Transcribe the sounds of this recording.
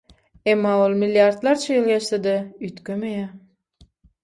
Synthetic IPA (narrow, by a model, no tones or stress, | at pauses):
emːɑːolˠmilʲːjɑɾd̪lˠɑɾt͡ʃʰajelʲɡʲeʃsed̪yjt̪kʲømejæ